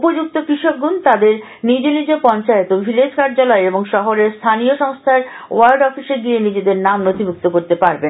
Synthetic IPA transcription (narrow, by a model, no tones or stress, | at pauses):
upod͡ʑuk̚t̪okɾiʃok̚ɡunt̪ad̪eɾ | nid͡ʑelid͡ʑepɔnt͡ɕaet̪obʱiled͡ʑkaɾd͡ʑalɔeeboŋʃɔɦoɾeɾst̪ʰanioʃɔŋst̪ʰaɾ | o̰aɾɖɔfiʃeɡienid͡ʑed̪eɾnamnot̪ibʱuk̚t̪okoɾt̪epaɾben